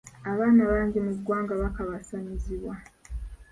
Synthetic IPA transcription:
aβaːnaβaːɲɟimuɡwaːŋɡaβakaβasaniziβwa

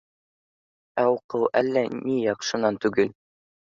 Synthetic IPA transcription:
æuqɤwʔælːænijɑqʃɤ̆nɑnt̪ʉɡɘl

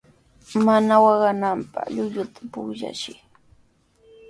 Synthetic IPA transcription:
manawɑɢɑnampɑ̰χʎʊʎʊt̪ʰḁpʊχʎa̰ʃɪ

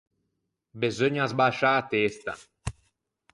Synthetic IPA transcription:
bezoɲazbaʃaːt̪est̪a̰

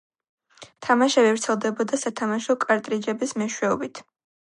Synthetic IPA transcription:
t̪ʰamaʃɛvɛvɾt̪sʰɛlˠd̪ɛbɔd̪asat̪ʰamaʃɔkʼaɾt̪ʼɾid͡ʒɛbismɛʃwɛɔbit̪ʰ

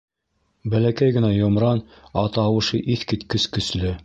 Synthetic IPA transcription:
bælækæjɡɘ̆næjŏmɾɑn | ɑt̪ɑwɤ̆ʃɤʔiθkɘt̪kɵ̆skɵ̆slɘ

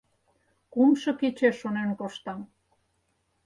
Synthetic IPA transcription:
kumʃɤ̆ket͡ɕeʃːonenkoʃt̪ɑm

